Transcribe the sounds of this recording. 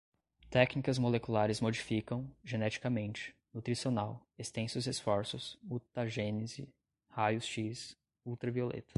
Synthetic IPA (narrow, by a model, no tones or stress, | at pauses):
t̪ɛknikɐzmolekulaɾɪzmod͡ʒifikɐ̃w̃ʒenɛt͡ʃi̥kɐmẽnt͡ʃɪ̥nut̪ɾisionawest̪ẽsʊzesfɔɾsʊsut̪ɐʒenɪzɪ | hajʊsʃis | uwt̪ɾɐviolḛt̪ɐ̥